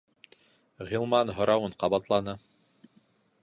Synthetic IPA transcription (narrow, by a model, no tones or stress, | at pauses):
ʁilˠmɑnɦŏɾɑwɤɴqɑβɑt̪lˠɑnɤ